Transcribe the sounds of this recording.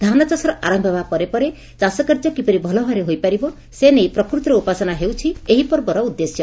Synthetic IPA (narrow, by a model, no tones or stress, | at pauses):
d̪ʱanɔt͡ʃasɔɾɔʔaɾɔmbʱɔbapɔɾepɔɾe | t͡ʃasɔkaɾd͡ʒɔkipɔɾibʱɔlɔɦɔɾeɦojpaɾibɔ | senejpɾɔkɾut̪ɾɔupasɔnaɦewt͡ʃʰieɦipɔɾbɔɾɔud̪ːesjɔ